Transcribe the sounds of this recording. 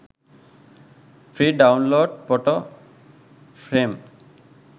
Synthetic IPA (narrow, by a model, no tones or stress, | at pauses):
fʰɾiɖawnloɖpɔʈo | fʰɾem